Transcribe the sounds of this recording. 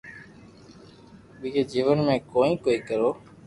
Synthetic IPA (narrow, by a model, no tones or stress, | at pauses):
ɓied͡ʒiːʋənmẽːkoːĩːkoːiːkəɾoː